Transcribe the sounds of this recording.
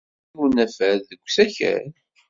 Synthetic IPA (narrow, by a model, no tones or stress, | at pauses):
unæfæɾðəɡʷːsæçæ̰ɾ